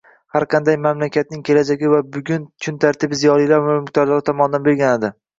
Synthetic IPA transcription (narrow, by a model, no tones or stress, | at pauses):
haɾqʰɑnd̪ajmamlakʲʰat̪̚nɪŋkʲʰe̞lad͡ʒaɡʲɪvabʊɡʲʊnt͡ʃʰʊnt̪ʰaɾt̪ʰɪbzijɒlijlaɾvamɪmɪkʲt̪ɒɾlˠaɾɪt̪ʰɒmɒnɪd̪anbe̞ɾɡʲanɪd̪ɪ